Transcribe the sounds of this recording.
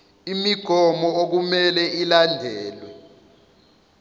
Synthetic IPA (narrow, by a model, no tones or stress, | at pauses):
imiɡ̥ʱɔmɔok̬umɛlɛilandʱɛːlwɛ